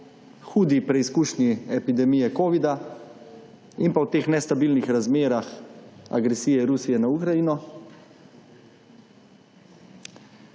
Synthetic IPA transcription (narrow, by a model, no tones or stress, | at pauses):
xuːd̪ipɾɛiskuːʃniɛpid̪ɛmijɛkoːʋid̪a | inpawt̪eːxnɛst̪abiːlnixɾazmeːɾaxa̰ɡɾɛsijɛɾusijɛnaukɾajiːnɔ